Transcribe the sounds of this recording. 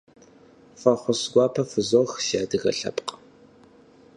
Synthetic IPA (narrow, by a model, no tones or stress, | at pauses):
fɐχʷʊsɡʷɑːpʰɐfɨzoxʃaːdɨɣɐ̰ɬɐ̰pʼq